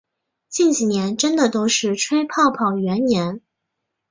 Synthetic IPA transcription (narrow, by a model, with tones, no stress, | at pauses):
t͡ɕi˥˩nt͡ɕi˨˩njɛ˧˥nʈ͡ʂə˥nd̪ə˨t̪o˥ʊʂɻ̩˥˩ʈ͡ʂʰwe˥ɪpʰɑ˥˩ʊpʰɑ˨˩ʊɥɛ˧˥nnjɛ˧˥n